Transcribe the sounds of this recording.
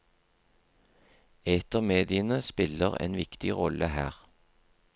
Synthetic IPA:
eːt̪əʁmeːd̪ɪənəspɪləʁḛːnʋɪkt̪ɪʁɔlʔəhæːʁ

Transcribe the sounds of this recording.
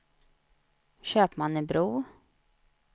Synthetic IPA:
ɕøːpmanːəbɾuː

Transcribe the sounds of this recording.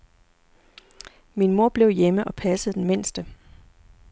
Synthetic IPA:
minmo̝ɐ̰b̥le̝ʊjeməʔɒ̽pʰæsəð̩ˠd̥enme̝n̰sd̥ə

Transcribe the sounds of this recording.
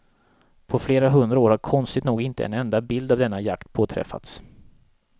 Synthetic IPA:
pʰɔfleːɾaɦɵnd̪ɾaoːɾhaɾkʰɔnst̪ɪt̪nuːɡɪnt̪əɛ̰nɛnd̪abɪld̪avd̪ɛnːajakt̪pʰoːt̪ʰɾɛ̰fːa̰t̪s

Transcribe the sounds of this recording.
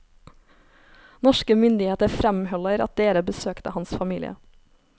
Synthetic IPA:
nɔʃkəmʏnd̪ɪheːt̪əfɾɛmhœləɾɑ̰t̪̚d̪eːɾəbəsøːkt̪əhɑnsfɑmiːlɪ̰ə̰

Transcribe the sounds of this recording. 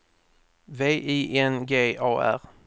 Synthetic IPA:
veːʔiːʔɛnɡeːɑːʔæ̰ɾ

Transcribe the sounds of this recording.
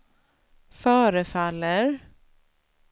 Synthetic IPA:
fœːɾəfalːəɾ

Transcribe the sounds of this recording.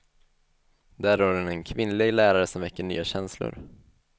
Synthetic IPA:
d̪æːɾoɾɛnɛnkʰvɪnlɪɡlæːɾaɾəsɔmvɛkːəɳy̰ːaɕɛnslʊ̰ɾ

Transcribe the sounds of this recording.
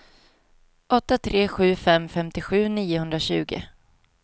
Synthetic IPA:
ʔɔt̪ːat̪ʰɾeːɧʉ̟ːfɛmfɛmt̪ɪɧʉ̟ːniːʊɦɵnd̪ɾaɕʉ̟̰ːɡɪ̰

